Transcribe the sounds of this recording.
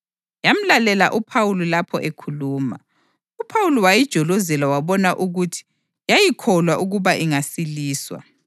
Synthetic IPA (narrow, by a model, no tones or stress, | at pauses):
jam̩lalɛla̰ʔupʰawululapʰɔ̰ʔekʰuluːma̰ | upʰawulɔwajid̥ʒ̥ʱɔlɔzɛlawaβɔnaʔuɣutʰi̥ | jajikʰɔlwaʔuɣuβaʔiŋasiliːswa̰